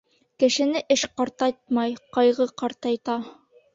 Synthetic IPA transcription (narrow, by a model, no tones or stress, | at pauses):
kɘ̆ʃɘ̆nɘʔɘʃqɑɾt̪ɑt̪̚mɑjqɑjʁɤqɑɾt̪ɑjt̪ɑ